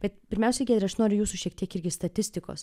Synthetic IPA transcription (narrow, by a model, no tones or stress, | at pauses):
b̥ʲɛt̪pʲɪɾʲmʲɛˑʊsʲɛɡʲɛd̪ʲɾʲɪɐʃnoːɾʲʊjuːsuʃʲiɛk̚t̪ʲiɛkɪɾʲɡʲɪst̪ɐt̪ʲɪsʲt̪ʲɪko̰ːs